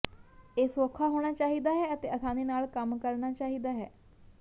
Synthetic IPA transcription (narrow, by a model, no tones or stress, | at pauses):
eːsoːkʰaːɦoːɽ̃aːt͡ʃaːɦiːd̪aːɦɛːət̪eːəsãːd̪eːnaːlkəmkəɾnaːt͡ʃaːɦiːd̪aːɦɛ̰ː